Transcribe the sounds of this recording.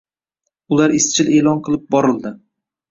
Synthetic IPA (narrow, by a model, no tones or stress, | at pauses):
ʊlaɾɪst͡ʃʰɪle̞ːlˠɒnqʰɨlˠɪp̚bɒɾɪld̪ɪ